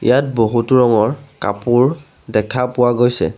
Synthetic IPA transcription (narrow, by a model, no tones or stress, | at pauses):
ḭjat̚boɦutʊɹɔŋɔɹka̰puɹ | dɛkʰapʊwaɡojsɛ̰